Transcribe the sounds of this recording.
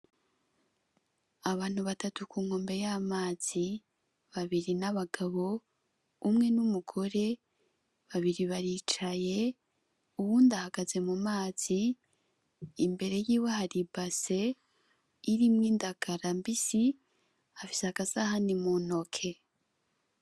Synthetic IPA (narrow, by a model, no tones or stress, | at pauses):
aβaːn̥huβatatukuːŋho̞ːmbe̞jamaːz̥i | βaβiɾinaβaɡaβo̞ | umŋe̞numuɡ̥o̞ɾe̞ | βaβiɾiβaɾiːt͡ʃaje̞ | uβuːndahaɡaze̞mumaːz̥i | mbe̞ɾe̞jiːwehaɾibase̞ | iɾimŋiːndaɡaɾambisi | afi̥seaɡasahanimono̞kʰe̞